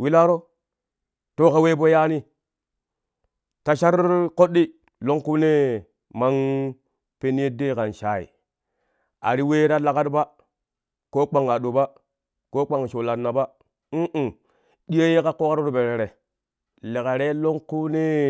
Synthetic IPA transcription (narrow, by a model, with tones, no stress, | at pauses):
wi˦la˦ɾo˦ | to˦ka˦we˦bo˦ja˦ni˦ | ta˨ʃa˦ɾko˦ɗːi˦ | lo˦ŋku˦ne˦ | ma˦ŋ | pe˦n˦e˦de˦˨ka˨nʃa˨ḭ˨ | a̰˨ɾi˦we˦ɾa˦la˨ka˦tba˦ | ko˦k͡pa˨ŋa˨ɗo˨ba˦ | ko˦k͡pa˨ŋ˨ʃo˨la˨nːa˨ba˦ | ʔ̩˨ | ɗi˦je˦je˦ka˦ko˦ka˦ɾo˦ɾo˨be˨ɾe˨ɾe˨ | le˨ka˨ɾe˦lo˦ŋku˦ne˦